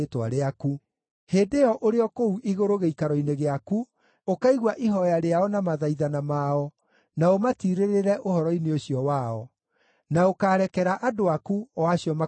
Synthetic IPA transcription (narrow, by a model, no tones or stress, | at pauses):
twa̰ɾeaku | heːdeɔʔoɾeɔkouʔiɣoɾoɣeikaɾɔineɣeaku | okaiɣwaʔiɦɔjaɾeaɔnamaðaiðanamaɔ | naomatiɾeɾeɾɛʔohɔɾɔineoɕiɔwaɔ | naokaːɾɛkɛɾaʔadoakuɔwaɕiɔma